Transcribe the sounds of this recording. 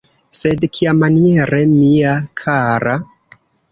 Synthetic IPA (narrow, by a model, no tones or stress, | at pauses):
se̞dkʰiamanieɾe̞miakʰaɾa